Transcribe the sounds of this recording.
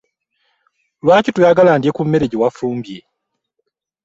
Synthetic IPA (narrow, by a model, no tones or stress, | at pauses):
lwaːcitujaɡalaːndiekumme̞ɾeɟewafuːmbje